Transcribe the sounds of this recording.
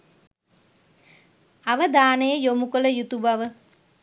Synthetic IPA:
aʋəd̪aːnəjəjomukələjut̪ubaʋə

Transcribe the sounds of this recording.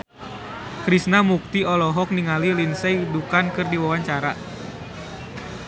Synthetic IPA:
kɾisnamuk̚t̪iɔlɔɦɔk̚niŋalilinsɛjdukankɨrdiwawaɲt͡ʃaɾa

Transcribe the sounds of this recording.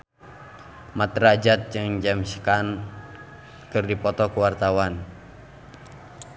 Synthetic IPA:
mat̪ɾad͡ʒat̪̚d͡ʒɨŋd͡ʒamsə̥kan | kɨrdipɔt̪ɔkuwart̪awan

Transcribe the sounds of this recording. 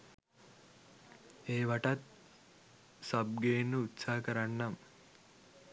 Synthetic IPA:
eːʋaʈat̪̚ | sab̚ɡeːnːəut̪saːɦɐkəɾanːam

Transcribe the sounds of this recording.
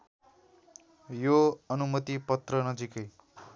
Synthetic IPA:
joʌnumʌt̪ipʌt̪rʌnʌd͡zikʌj

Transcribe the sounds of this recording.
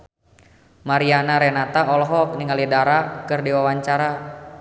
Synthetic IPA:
maɾianaɾɛnat̪aɔlɔɦɔk̚niŋalidaɾakɨrdiwawaɲt͡ʃaɾa

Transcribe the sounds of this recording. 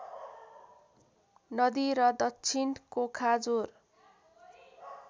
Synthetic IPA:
nʌd̪iɾʌd̪ʌkt͡sʰinkokʰad͡zor

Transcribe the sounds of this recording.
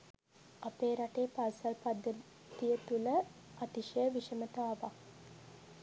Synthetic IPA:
apeːɾaʈejpalsɐlpad̪ːə | t̪ijət̪ulə | at̪iʃejəʋiʃemət̪aaʋa

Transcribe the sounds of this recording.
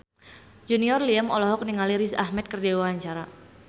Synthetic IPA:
d͡ʒuniɔrliamɔlɔɦɔk̚niŋaliɾisa̰hmɛt̪̚kərdɛwaaɲt͡ʃaɾa

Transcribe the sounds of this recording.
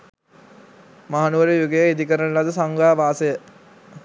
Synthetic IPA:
maɦanuʋəɾejuɡejəid̪ikəɾənəlad̪əsaŋɡaːʋaːsejə

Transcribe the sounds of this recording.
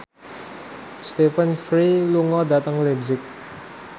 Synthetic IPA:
st̪efənfɾiluŋɔda̤t̪əŋlezɪk̚

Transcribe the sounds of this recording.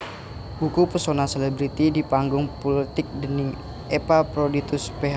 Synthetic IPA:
bukupəsonaselɛbɾit̪idipaŋɡʊŋpɔlit̪ɪk̚dənɪŋ | ɛpapɾodit̪ʊspeɦa

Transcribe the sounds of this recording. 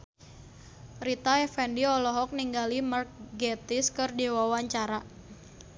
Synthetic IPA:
rit̪aɛfɛndiɔlɔɦɔk̚niŋɡalimark̚ɡɛt̪ɪskɨrdiwawaɲt͡ʃaɾa

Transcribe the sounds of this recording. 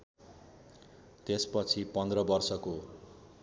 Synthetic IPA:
t̪espʌt͡sʰipʌnd̪rʌbʌrsʌko

